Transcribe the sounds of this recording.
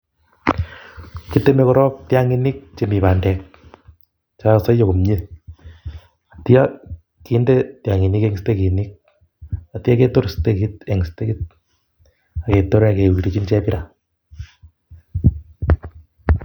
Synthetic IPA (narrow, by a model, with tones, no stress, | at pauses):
ki˦te˦me˦kɔ˦ɾɔ˦tja˦ŋi˦ni˦k̚t͡ʃe˨mi˨pa˨ndɛ˨k̚ | t͡ʃa˦sa˦jjo˨ku˨mɲi˦ | a˨ti˦a˦ | ki˨˦nde˦tja˨ŋi˨ni˦ke˦ŋste˦ki˨ni˦k̚ | a˨ti˦a˦ke˦to˦ɾste˦ki˦tɛ˨ŋste˦ki˦t̚ | a˨ke˨to˦ɾa˨ke˨i˨ɾi˨t͡ʃi˦nt͡ʃɛ˦pi˦ɾa˨